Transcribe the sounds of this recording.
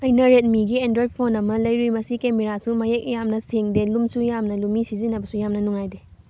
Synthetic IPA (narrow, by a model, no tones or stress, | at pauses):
ɐjnɐɾet̚miɡiendɾojd̚pʰonɐmɐlɐjɾujmɐsikemeɾasumajek̚jamnɐseŋdelumsujamnɐlumisizinɐbɐsujamnɐnuŋajde